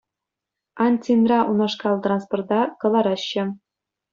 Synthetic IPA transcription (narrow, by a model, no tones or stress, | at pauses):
ɑnʲtʲinrɑʔunɑʂkɑlˠt̪rɑnsport̪̚ɑkɤ̆lˠɑɾɑɕːɘ̆